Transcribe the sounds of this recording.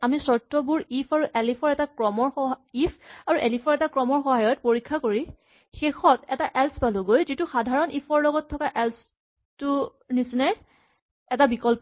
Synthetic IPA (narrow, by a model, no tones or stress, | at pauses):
amisɔɹtɔbuɹipʰaɹuʔɛlipʰɔɹɛtakɹɔmɔɹxɔipʰaɹuʔɛlipʰɔɹɛtakɹɔmɔɹxɔɦajɔt̚poɹikʰːakoɹi | xexɔtɛtaʔɛlspalʊɡojzituxadʱaɹɔnipʰɔɹlɔɡɔtʰːɔkaʔɛls | tʊ | nisinɛ | ɛtabikɔlpɔ